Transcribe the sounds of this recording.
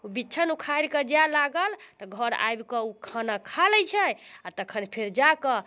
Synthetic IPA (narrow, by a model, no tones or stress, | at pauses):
ubitːt͡ʃʰənukʰaɾkəd͡ʒalaɡəlt̪ɔɡʱəɾa̰jbkəukʰanakʰalɛəjt͡ʃʰɛjat̪əkʰənpʰeɾd͡ʒakə